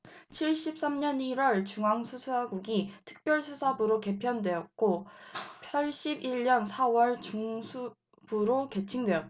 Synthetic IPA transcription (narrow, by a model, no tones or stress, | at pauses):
t͡ɕʰiɭɕ͈ip̚s͈amɲʌniɾwʌɭt͡ɕuŋɦaŋsʰusʰaɡuɡitʰɯ̥k̚p͈jʌɭsʰusʰabɯɾoke̞pʰjʌndwe̞jʌt̚k͈opʰjʌɭɕ͈ibiɭɲʌnsʰawʌɭt͡ɕuŋsʰu | b̥uɾoke̞t͡ɕʰiŋdwe̞ʌt͈̚